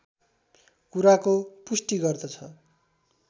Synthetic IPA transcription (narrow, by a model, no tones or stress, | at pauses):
kuɾakopusʈiɡʌrd̪ʌt͡sʰʌ